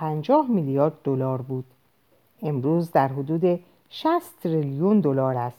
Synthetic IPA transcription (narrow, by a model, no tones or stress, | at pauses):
ænd͡ʒɒːhmilijɒːɾd̪ːolɒːɾbuːd̪̥ | e̞mɾuːzd̪æɾɦod̪uːd̪e̞ | ʃæst̪ʰɾiljund̪o̞lɒːɾæst̪